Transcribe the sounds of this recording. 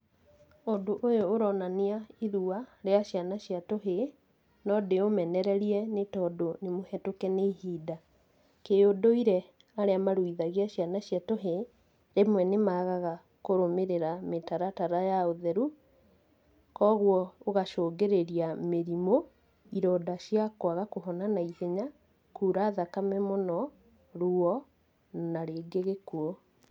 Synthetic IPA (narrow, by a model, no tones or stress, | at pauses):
ondoʔojoːɾɔnaniaiðuaɾeaɕjanaɕiatoɦe | nɔdeomɛnɛɾɛɾiɛnetɔdonemohɛtokɛneɦiːda | keodoiɾɛ | aɾeamaɾwiðaɣiaɕjanaɕjatoɦe | ɾemwɛnemaɣaɣa | koɾomeɾeɾametaɾataɾajaoðɛɾu | kɔɣwɔoɣaʃoːɡeɾeɾiameɾimo | iɾɔdaɕjakwaɣakoɦɔnanaiðeɲa | kuːɾaːðakamɛmonɔ | ɾuɔ | naɾeːɡeɣekuɔ